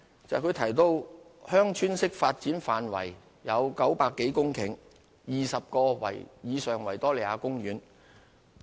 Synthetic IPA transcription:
t͡sɐ˨kʰɵ˨˧ɥt̪ʰɐ˨˩jt̪o˧whœː˥ŋt͡ʃʰyː˥nsɪ˥k̚faː˧t̚t͡siː˨˥nfaː˨nwɐ̰˨˩j | jɐ˨˧wkɐ˨˥wpaː˧kːe˨˥jkʊ˥ŋkʰɪ˨˩ŋ | jiː˨˩sɐ˨p̚kɔː˧wɐ̰˨˩jjiː˨˧sœː˨˩ŋwɐ˨˩jt̪ɔː˥le˨jaː˨˧kʊ˥ŋɥyː˨˧n

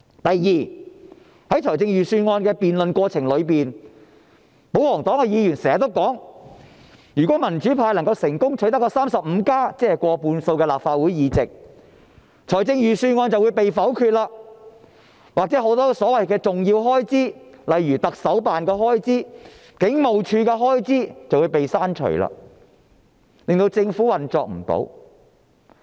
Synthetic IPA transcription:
t̪ɐ˨jːiː˨˩ | hɐ˨˥jt͡ʃʰɔː˨˩jt͡sɪ˧ŋjyː˨syː˧ŋɔː˧nkɛː˧piː˨nlɵ˨nkʷɔː˧t͡sʰɪ˨˩ŋlɵ˨˧ɥpiː˨n | po˨˥whɔː˨˩ŋt̪ɔː˨˥ŋkɛ˧jiː˨˧jyː˨˩nsɛː˨˩ŋɐ˨t̪o˥wkɔː˨˥ŋ | jyː˨kɔ˨˥mɐ˨˩nt͡ʃyː˨˥pʰaː˧jlɐ˨˩ŋkɐ˧wsɪ˨˩ŋkʊ˥ŋt͡ʃʰɵ˨˥jt̪ɐ˥kːɔ˧saː˥msɐ˨p̚m̩˨˧kaː˥t͡sɛː˥hɛ˨kʷɔː˧puː˧nso˧wkɛː˧laː˨˩p̚faː˧t̚wuː˨˥jjiː˨˧t͡sɪ˨k̚ | t͡ʃʰɔː˨˩jt͡sɪ˧ŋjyː˨syː˧ŋɔː˧nt͡sɐ˨wu˨˧jpe˨jfɐ˨˥wkʰyː˧t̚laː˧k | waː˨k̚t͡sɛ˨˥ɦo˨˥wt̪ɔː˥sɔː˨˥wɐ˨jkɛː˧t͡sʊ˨˩ŋji˧wɦɔː˥jt͡siː˥lɐ˨jɥyː˨˩t̪ɐ˨k̚sɐ˨˥wpaː˨nkɛː˧ɦɔː˥jt͡siː˥ | kɪ˨˥ŋmo˨wt͡ʃʰyː˧kɛː˧ɦɔː˥jt͡siː˥t͡sɐ˨wu˨˧jpe˨jsaː˥nt͡ʃʰɵ̰˨˩la̰ː˧ | lɪ˨ŋt̪o˧wt͡sɪ˧ŋfuː˨˥wɐ˨nt͡sɔ̰ː˨k̚m̩˨˩t̪o̰˨˥w

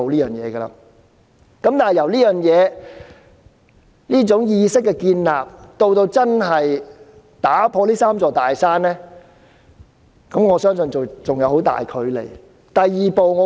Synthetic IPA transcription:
o˨wliː˥jœː˨˩ŋjɛː˨˧ɡə˧la̰ː˧ | kɐ˨˥mt̪aː˨nɦjɐ˨˩wliː˥jœː˨˩ŋjɛː˨˧ | liː˥t͡sʊ˨˥ŋjiː˧sɪ˥kːɛː˧kiː˧nla̰ː˨p̚t̪o˧wt̪o˧wt͡sɐ˥nɦɐ˨j | t̪aː˨˥˦pʰɔː˧liː˥saː˥mt͡sɔː˨˩t̪aː˨jsaː˥nlɛː˥ | kɐ˨˥mŋɔː˨˧sœː˥ŋsɵ˧nt͡so˨wt͡sʊ˨ŋjɐ˨˧who˨˥wt̪a̰ː˨jkʰɵ˨˥ɥlḛ˨˩j | t̪ɐ˨jːiː˨po˨wŋɔː˨˧

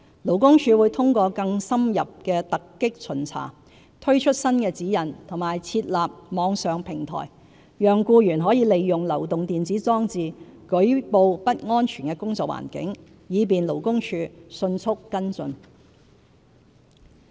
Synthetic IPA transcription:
lo˨˩wkʊ˥ŋt͡ʃʰyː˧wuː˨˧jt̪ʰʊ˥ŋkʷɔː˧kɐ˧ŋsɐ˥mjɐ˨p̚kɛː˧t̪ɐ˨kːɪ˥k̚t͡sʰɵ˨˩nt͡sʰa̰ː˨˩ | t̪ʰɵ˥ɥt͡ʃʰɵ˥t̚sɐ˥nkɛː˧t͡siː˨˥jɐ˨˩nt̪ʰʊ˨˩ŋmaː˨˩jt͡sʰiː˧t̚laː˨p̚mɔː˨˧ŋsœː˨ŋpʰɪ˨˩ŋt̪ʰɔ̰ː˨˩j | jœː˨˩ŋkuː˧jyː˨˩nɦɔː˨˥jiː˨˧le˨jːʊ˨ŋlɐ˨˩wt̪ʊ˨ŋt̪iː˨nt͡siː˨˥t͡sɔː˥ŋt͡siː˨kɵ˨˥ɥpo˧wpɐ˥t̚ŋɔː˥nt͡ʃʰyː˨˩nkɛː˧kʊ˥ŋt͡sɔː˨k̚wa̰ː˨˩nkɪ̰˨˥ŋ | jiː˨˧p̬iː˨nlo˨˩wkʊ˥ŋt͡ʃʰyː˧sɵ˧nt͡sʰʊ˥kːɐ˥nt͡sɵ˧n

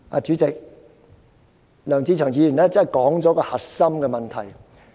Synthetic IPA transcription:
aː˧t͡ʃyː˨˥t͡sɪ˨k̚ | lœː˨˩ŋt͡siː˧t͡ʃʰœː˨˩ŋjiː˨˧jy˨˩nlɛː˥t͡sɐ˥˨jkɔː˨˥ŋt͡sɔː˨˥kɔː˧hɐ˨t̚sɐ˥mkɛː˧mɐ˨nt̪ʰɐ˨˩j

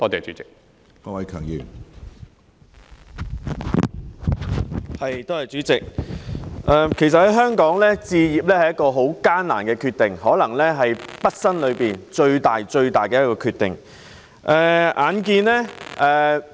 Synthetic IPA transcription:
t̪ɔː˥t̪e˨˩t͡ʃyː˨˥t͡sɪ˨k̚ | ɔː˧wɐ˨˧jkʰœː˨˩ŋjḭː˨˧w | hɐ˨jt̪oː˥hɐ˨jt͡ʃyː˨˥t͡sɪ˨k̚ | ʔɛː˨kʰe˨˩js̬ɐ˨t̚hɐ˨˩jɦœː˥ŋkɔː˨˥ŋlɛː˥t͡siː˧jiː˨p̚lɛː˥hɐ˨jɐ˥tkɔː˧ɦo˨˥wkaː˥nnaː˨˩nkɛː˧kʰy˧t̪e˨ŋhɔː˨˥lɐ˨˩ŋlɛː˥ɦɐ˨jpɐ˥t̚sɐ˥nlɵ˨˧ɥpiː˨nt͡ʃɵ˧ɥt̪aː˨jt͡ʃɵ˧ɥt̪aː˨˩jkɛː˧jɐ˥kɔː˧kʰyː˧t̪ɪ̰˨˩ŋ | ʔɛː˨ʔaː˨˧nk̬iː˧nlɛː˥ʔɛː˨

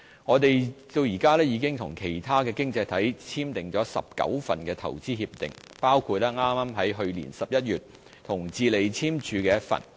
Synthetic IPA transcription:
ŋɔː˨˧t̪e˨jt̪o˧wjiː˨˩kaː˥lɛː˥jiː˨˧kɪ˥ŋt̪ʰʊ˨˩ŋkʰe˨˩jt̪ʰaː˥kɛː˧kɪ˥ŋt͡sɐ˧jt̪ʰɐ˨˥jt͡sʰiː˥mt̪ɪ˨ŋt͡sɔː˨˥sɐ̰˨p̚kɐ̰˨˥wfɐ̰˨nkɛː˧t̪ʰɐ̰˨˩wt͡siː˥hiː˧p̚t̪ɪ̰˨ŋ | paː˥wkʰuː˧t̚lɛː˥ŋaː˥maː˥mɦɐ˨˥jɦɵ˧ɥlḭː˨˩nsɐ˨p̚jɐ˥t̚jyː˨˩t̚ | t̪ʰʊ˨˩ŋt͡siː˨le˨˩jt͡sʰiː˥mt͡ʃʰyː˨˧kɛː˧jɐ˥t̚fɐ̰˨n

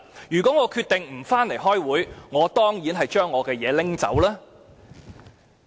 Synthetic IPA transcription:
jyː˨˩kʷɔː˨˥ŋɔː˨˧kʰyː˧t̪ɪ˨ŋm̩˨˩faː˥nle˨˩jɦɔː˥jwuː˨˥jŋɔː˨˧t̪ɔː˥ŋjiː˨˥nɦɐ˨jt͡ʃœː˥ŋːɔː˨˧kɛː˧jɛː˨˧lɪ˥ŋt͡sɐ̰˨˥wlaː˥

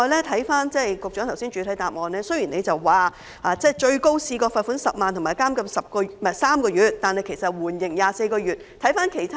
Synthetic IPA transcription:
ɔː˨˧lɛː˥t̪ʰɐ˨˥jfaː˥nt͡sɛ˥˩kʊ˨k̚t͡ʃœː˨˥t̪ʰɐ˨˩wsiː˥nt͡ʃyː˨˧t̪ʰɐ˨˥jt̪aː˨p̚ŋɔː˨nlɛː˥sɵ˥ɥjiː˨˩ne˨˧jt͡sɐ˨wːaː˨ | ʔaː˧t͡sɛː˥˩t͡ʃɵ˧ɥko˥wsiː˧kɔː˧fɐː˨˧t̚fuː˨˥nsɐ˨p̚maː˨nt̪ʰʊ˨˩maː˨jkaː˥mkɐ˧˥msɐ˨p̚kɔː˧mɛ˨˩saː˥mkɔː˧jyː˨˩t̚t̪ːaː˨˧nhɐ˨jkʰe˨˩jsɐ˨˩t̚wuː˨˩njɪ˨˩ŋjaː˨˧se˧jkɔː˧ɥyː˨˩t̚t̪ʰɐ˨˥jfaː˥nkʰe˨˩jt̪ʰa

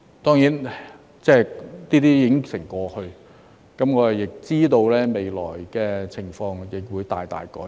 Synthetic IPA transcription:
t̪ɔː˥ŋjiː˨˥n | t͡sɛː˥˩niː˥t̪iː˥jɪ˨˩˥ŋsɪ˨˩ŋkɔː˨˧hɵ˧ɥ | kɐ˨˥mŋɔː˨˧ɐ˨˩jɪ˨k̚t͡siː˥t̪o˧wlɛː˥me˨˧jlɔ̰ː˨˩jkɛː˧t͡sʰɪ˨˩ŋfɔː˧ŋjɪ˨˩k̚wuː˨˧jt̪a̰ː˨jt̪a̰ː˨jkɔ̰ː˨˥

